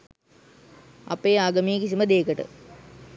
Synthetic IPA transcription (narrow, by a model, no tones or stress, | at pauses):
ɐ̰peːaːɡɐmiːkisimɐd̪eːkɐʈɨ̰